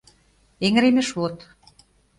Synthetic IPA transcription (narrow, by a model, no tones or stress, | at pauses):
eŋɾemĕʃvot̪